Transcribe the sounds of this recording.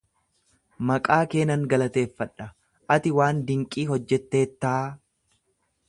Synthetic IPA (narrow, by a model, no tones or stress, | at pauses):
mɐkʼaːke̞ːnɐŋɡɐlɐt̪e̞ːfːɐᶑɐ | ʔɐt̪ɪwaːnd̪ɪŋkʼiːɦɔd͡ʒːɛt̪ːe̞ːt̪ːaː